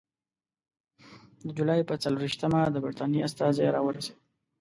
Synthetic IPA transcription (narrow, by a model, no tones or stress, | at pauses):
d̪əd͡ʒulɑjpət͡saluɾiʃt̪əmad̪əbaɾt̪ɑnjiast̪ɑzeɾɑwəɾase